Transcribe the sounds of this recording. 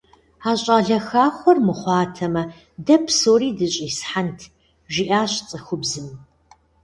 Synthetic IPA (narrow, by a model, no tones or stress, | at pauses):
aːɕʼaːɮɐxaːχʷɔrmɨχʷɑːtʰɐmɐ | dɐpʰsoːɾiːdɨɕʼiːsħantʰ | ʒiʔaːɕt͡sʼɐxʷʊbzɨm